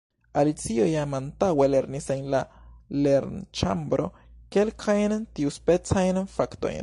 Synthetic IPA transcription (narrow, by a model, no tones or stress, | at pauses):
alit͡siojamant̪aweleɾnisenlaleɾnt͡ʃa̰mbɾo̰ | kelkʰajnt̪iuspet͡sajnfakt̪o̰jn